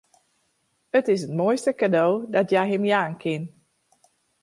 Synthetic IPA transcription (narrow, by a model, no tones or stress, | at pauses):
ətɪs̬ətmoːjstəkadowdɔtjajɦəmjaːnkʰɪn